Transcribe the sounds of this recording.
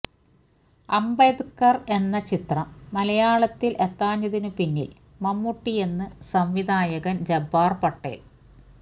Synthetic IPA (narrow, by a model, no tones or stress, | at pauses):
ɐmbɐd̪kːɐre̞nːɐt͡ɕit̪rɐmːɐlɐjaːɭɐt̪ːilʔe̞t̪ːaːɲːɐðinupinːḭl | mɐmːuʈːije̞nːɨsɐmʋid̪ʱaːjɐɣɐnd͡ʑɐbːaːrpɐʈːḛːl